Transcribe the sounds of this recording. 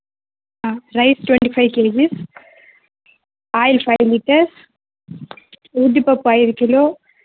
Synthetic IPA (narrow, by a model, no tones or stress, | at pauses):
aɾɐɪsʈʋɛɳʈifʰɐɪʋkeːd͡ʒis | aːjlfʰɐɪliʈːɐɾs | ud̪ipɐpːaːjɪɾkiloː